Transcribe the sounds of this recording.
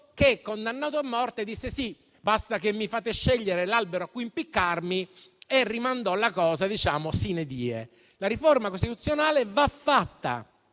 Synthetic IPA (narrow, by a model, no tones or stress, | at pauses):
kekːond̪anːaːt̪oamːɔrt̪ed̪isːesi | bast̪akemːifaːt̪eʃːɛʎːeɾelalbeɾoakːuimpikːarmierːimand̪ɔlakɔːzad̪it͡ʃaːmosined̪iːḛ | laɾiformakost̪it̪ut̪sːjonaːlevafːat̪ːa̰